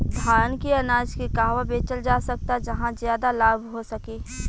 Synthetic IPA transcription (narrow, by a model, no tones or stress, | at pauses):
d̪ʱaːnkeɐnaːd͡ʒkekaːɦʋabeːt͡ʃəld͡ʒaːsɐk̚t̪ad͡ʒɐɦãzjaːd̪alaːbʱɦosɐkeː